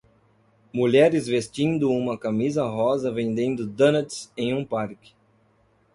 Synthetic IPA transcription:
muʎɛɾɪzvest͡ʃĩnd̪ʊũmɐkamizɐɦɔzɐvẽnd̪ẽnd̪ʊd̪ɐ̃nɐt͡ʃsẽj̃ũpaɾkɪ̥

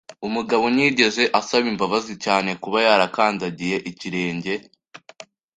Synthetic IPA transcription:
umuɡaβo̞niːɟe̞ze̞ʔasaβimbaβazicaːne̞kuβajaːɾakaːndaɟije̞ʔiciɾe̞ːɲɟe̞

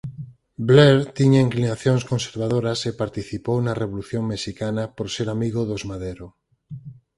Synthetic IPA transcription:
bleɾt̪iɲaiŋklinaθjoŋskonseɾβ̞aðoɾasepaɾt̪iθipownareβ̞oluθjoŋmeʃikanapoɾseɾamiɣoðozmaðeɾo

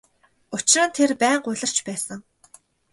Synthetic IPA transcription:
ʊt͡ɕɪrə̆nt̪ʰerpæːɴɢʊɮə̆r̥t͡ɕpæːsə̆ŋ

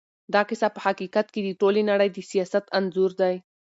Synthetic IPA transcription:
d̪ɑqɪsapəhaqikat̪̚ked̪əʈolenaɽəjd̪əsijɑsat̪anzuɾd̪aj

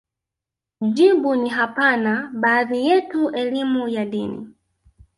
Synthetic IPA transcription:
d͡ʒibuniɦapanabaːðijɛtuʔɛlimujadinḭ

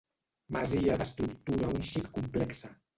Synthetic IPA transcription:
maziaðəst̪ɾukt̪uɾaunʃikkumplɛksa

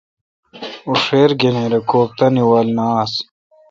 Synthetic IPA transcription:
uʂeːɾɡeneɾekoːp̚t̪ɐniwalnaːs

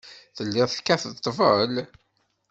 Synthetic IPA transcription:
θəlːɪʁθkːæθət̪ˤːvəl

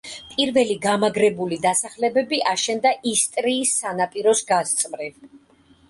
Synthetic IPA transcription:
pʼiɾvɛliɡamaɡɾɛbulid̪asaχlɛbɛbiʔaʃɛnd̪aʔist̪ʼɾiːsːanapʼiɾɔsɡast̪sʼmɾiv

